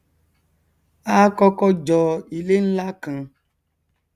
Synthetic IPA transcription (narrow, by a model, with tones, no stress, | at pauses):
a˦kɔ˦kɔ˦d͡ʒɔ˨i˨le˦n̩˦la˦kã˨